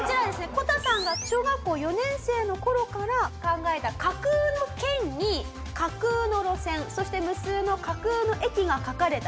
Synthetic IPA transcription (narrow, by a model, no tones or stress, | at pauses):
kot͡ɕiɾad̪e̞sɨne̞ko̞t̪asãŋɡaɕo̞ːɡakːo̞ːjo̞nẽ̞ɰ̃se̞ːno̞ko̞ɾo̞kaɾakãŋɡae̞t̪akakɯːno̞kẽ̞ɲ̟ɲi | kakɯ̟ːno̞ɾo̞sẽ̞ɰ̃so̞ɕi̥t̪e̞mɯ̟sɨːno̞kakɯ̟ːno̞ʔe̞kʲiɡakakaɾe̞t̪a